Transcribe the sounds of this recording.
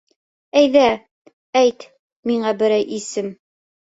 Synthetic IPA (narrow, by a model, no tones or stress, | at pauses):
æjðæ | æjt̪ | miɴɑbɘ̆ɾæjʔisɘm